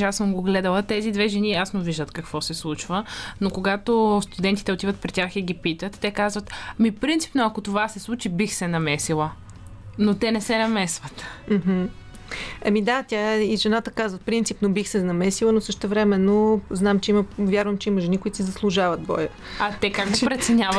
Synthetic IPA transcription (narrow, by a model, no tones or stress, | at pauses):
asəmɡoɡlɛd̪əlˠət̪ɛzid̪vɛʒɛnijasnoviʒd̪ət̪kɐkvɔsɛslˠut͡ʃvənokoɡat̪ost̪ud̪ɛnt̪i̥t̪ɛot̪ivət̪pɾit̪ʲaxiɡipit̪ət̪ːɛkazvət̪mipɾint̪i̥pnoɐkot̪ovasɛslˠut͡ʃibixsɛnɐmɛsilˠə | not̪ɛnɛsɛnɐmɛsvət̪m̩ɦm̩ | ɐmid̪at̪ʲjaiʒɛnat̪əkazvət̪̚pɾint̪sipnobixsɛnɐmɛsilˠənosɤʃt̪ɛvɾɛmɛnːoznamt͡ʃɛiməvjaɾvəmt͡ʃɛiməʒɛnikoʊit̪sizɐslˠuʒavət̪̚bɔ̰jə | ɐt̪ɛkaɡɡopɾɛt̪sɛnʲavət̪